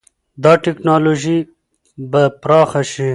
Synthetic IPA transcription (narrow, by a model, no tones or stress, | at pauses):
d̪ɑːʈɪknɑloʒi | bapɾɑːxaʃi